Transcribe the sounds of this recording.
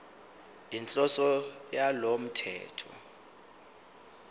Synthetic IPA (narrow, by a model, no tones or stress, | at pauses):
int͡ɬʼɔsɔjalom̩tʰɛ̰ːtʰɔ